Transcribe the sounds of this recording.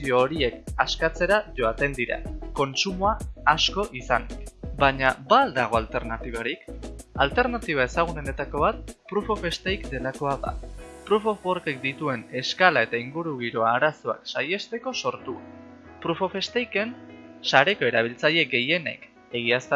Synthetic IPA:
io̞ːɾie̞kaskat͡se̞ɾaʝo̞at̪e̞nd̪iɾa̰ko̞nt͡sumoaːsko̞ʔisanbaɲabald̪aɣ̞o̞alt̪e̞ɾnat̪iβ̞aɾikalt̪e̞ɾnat̪iβ̞ae̞saɣ̞unene̞t̪ako̞βat̪̚pɾufo̞fe̞st̪ejkd̪e̞lako̞aða̰pɾufofoɾke̞k̚d̪it̪ue̞ne̞skalae̞t̪aiŋɡuɾuɣ̞iɾo̞aːɾaso̞a̰ksaje̞st̪e̞ko̞so̞ɾt̪u | pɾufo̞fe̞st̪ejke̞nsaɾe̞ko̞e̞ɾaβ̞ilt͡saʎe̞ɡe̞je̞ne̞̰k | e̞ɣias

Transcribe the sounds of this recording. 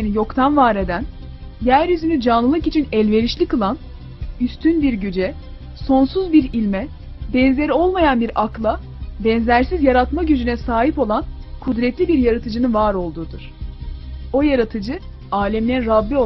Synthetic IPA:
nijo̞kt̪ʰanvaɾe̞d̪æn | jæɾjyzynyd͡ʒanlˠɯlˠɯkit͡ʃʰinɛlʲve̞ɾiʃlʲikɯlˠan | yst̪ʰynbiɾɟyd͡ʒɛ | so̞nsuzbiɾilʲmɛ | bɛnze̞ɾio̞lˠmajanbiɾaklˠa | bɛnzlʲæɾsizjaɾat̪maɟyd͡ʒynɛsaːɦipo̞lˠankʰud̪ɾɛt̪ʰlʲibiɾjaɾat̪ʰɯd͡ʒɯnɯnvaːɾo̞lˠd̪uːd̪uɾ̥ | o̞jaɾat̪ʰɯd͡ʒɯ | aːlʲɛmlʲɛɾabːio

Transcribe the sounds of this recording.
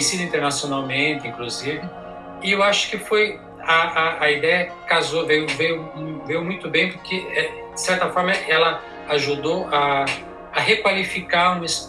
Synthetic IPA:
esid̪ɐĩnt̪eɾnasijonawmẽnt̪ɪĩŋkluzivɪ | ɪewaʃʊ̥kɪfoj | aaːid̪ɛjɐ | kazovejʊvejʊvejʊmũj̃t̪ʊbẽj̃pʊɾkʰeɛ | d͡ʒɪsɛɾt̪ɐfɔɾmɐʔɛlɐ | aʒud̪owʔaː | ɦekwalifikaɾũmɪs

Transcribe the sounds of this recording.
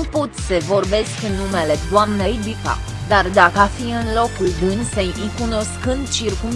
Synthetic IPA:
upot̪səvo̞rbe̞skɨnːume̞le̞d̪oamnejbipa̰ | d̪ard̪akəafiɨnlo̞kuld̪ɨnsejikuno̞skɨnd̪̚t͡ʃirkum

